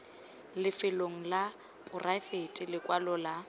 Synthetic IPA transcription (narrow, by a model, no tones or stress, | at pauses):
lɪfɪloŋ̩la | pʼʊrʔafetʼɪlɪkʼwalʊla